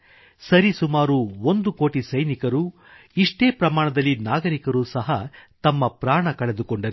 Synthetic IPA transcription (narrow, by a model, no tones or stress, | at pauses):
sɐɾisumaːɾuond̪uko̞ːʈisɐjnikɐɾu | iʂʈe̞ːpɾɐmaːɳɐd̪ɐlːinaːɡɐɾikɐɾusɐɦɐt̪ɐmːɐpɾaːɳɐkɐɭe̞d̪ukɔɳɖɐɾi